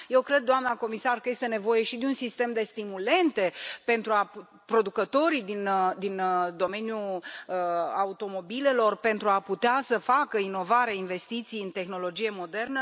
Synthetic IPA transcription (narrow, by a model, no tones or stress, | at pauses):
je̞wkɾe̞d̪̚ːoamnako̞misarkəje̞st̪e̞ne̞vo̞je̞ʃid̪eunsist̪e̞md̪e̞st̪imule̞nt̪e̞pe̞nt̪ɾua | pɾo̞d̪ukət̪o̞ɾid̪ind̪ind̪o̞me̞njuəaut̪o̞mo̞bile̞lo̞rpe̞nt̪ɾuaput̪easəfakəino̞vaɾeainve̞st̪it̪sijɨnt̪e̞xno̞lo̞d͡ʒije̞mo̞d̪e̞rnə